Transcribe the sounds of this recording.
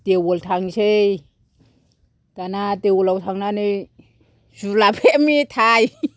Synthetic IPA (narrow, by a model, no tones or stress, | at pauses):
t̪ewolt̪ʰaŋsej | t̪anat̪ewulawt̪ʰaŋnane | sulapʰemit̪ʰaj